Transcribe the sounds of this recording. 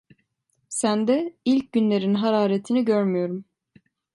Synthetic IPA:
sænd̪ɛilʲc̚ɟynlʲeɾinɦaɾaːɾet̪ʰiniɟøɾmyjo̞ɾum

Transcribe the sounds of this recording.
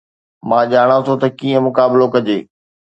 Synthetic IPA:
mãːʄaːɽ̃ãsot̪ɐkiːə̃mʊkaːbɪlokɐd͡ʑeː

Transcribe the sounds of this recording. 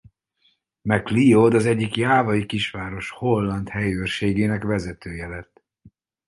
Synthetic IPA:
mɛklijod̪ɒzɛɟːikjaːvɒjikiʃʋaːɾo̞ʃho̞lːɒnt̪hɛjøːrʃeːɡeːnɛkʋɛzɛt̪øːjɛlɛt̪ː

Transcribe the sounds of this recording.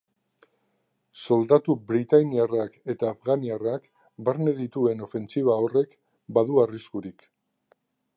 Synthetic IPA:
so̞ld̪at̪ubɾit̪ajniarake̞t̪aːfɣaniarak | baɾne̞ðit̪ue̞no̞fe̞nt͡siβ̞ao̞re̞k | baðuariskuɾik

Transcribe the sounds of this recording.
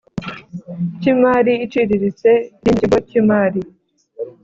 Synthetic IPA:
cimaːɾiit͡ʃiɾiɾit͡se̞jiːndiɡwacimaːɾi

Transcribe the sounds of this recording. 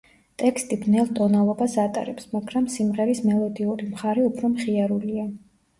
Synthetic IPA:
t̪ʼɛkst̪ʼibnɛlˠt̪ʼɔnalˠɔbasat̪ʼa̰ɾɛpsmaɡɾamsimʁɛɾismɛlˠɔd̪iuɾimχaɾɛupʰɾɔmχiaɾulia

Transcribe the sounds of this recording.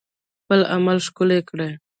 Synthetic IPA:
xpəla̰malʂkʊlekɽe

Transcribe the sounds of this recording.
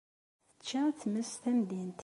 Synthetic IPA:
θə̥t͡ʃːæθməsθæmd̪int̪

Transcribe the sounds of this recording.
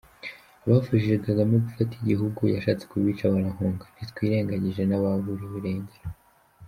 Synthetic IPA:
aβafuʃiʃeɡaɡameɡufatiɟiɦuɡujaʃaːt͡se̥kuβiːt͡ʃaβaɾaŋuːŋɡanitkwiːɾe̞ːŋɡaɲiʒe̞naβavuɾiβiɾeːɲdeɾa

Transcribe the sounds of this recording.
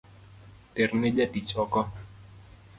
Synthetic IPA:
tɛrned͡ʒadit͡ʃɔkɔ

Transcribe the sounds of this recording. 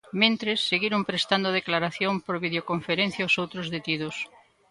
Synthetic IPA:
mẽnt̪ɾesːeɣiɾompɾest̪and̪oð̞eklaɾaθjompoɾβiðeokoɱfeɾẽn̟θjaosowt̪ɾozðet̪iðos

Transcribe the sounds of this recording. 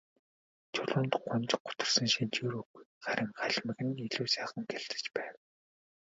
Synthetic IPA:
t͡ɕʰʊɮʊːnt̪ɢʊnt͡ɕq̚ʊ̥t̪ə̆r̥sə̆nʃint͡ɕiːɾuɣujχaɾʲɪ̆ŋɢaɮʲmə̆ɣɘ̆niɮuːsæːχə̆ŋɡeɮt̪ɘ̥̆t͡ɕpæːw

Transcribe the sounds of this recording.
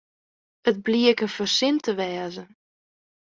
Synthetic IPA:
ət̚bliəkəfərsɪntʰəʋɛːzə

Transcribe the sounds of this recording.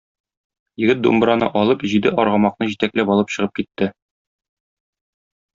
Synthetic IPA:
jɘ̆ɡɘt̪̚d̪ṵmbɾɑnɤ̰ʔɒlˠɤpʑid̪ɘʔɒɾʁɑmɑqnɤʑit̪æklæpɒlˠɤpɕɤ̆ʁɤp̚kit̪ːɘ

